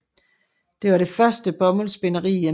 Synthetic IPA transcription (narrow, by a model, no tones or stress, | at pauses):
d̥e̝ʋɑ̈ɾe̝fɶɐsd̥əb̥ɒ̽məlsb̥e̝nɐʁḭːe